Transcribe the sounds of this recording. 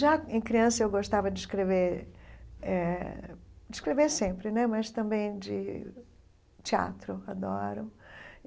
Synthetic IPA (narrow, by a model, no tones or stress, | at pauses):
ʒaẽj̃kɾiɐ̃sɐewɡoʃt̪avɐd͡ʒɪɪʃkɾeveɾ | ɛ | d͡ʒɪʃkɾeveɾsẽmpɾɪnɛmɐst̪ɐ̃mbẽj̃d͡ʒɪ̰ | t͡ʃia̰t̪ɾʊad̪ɔɾʊ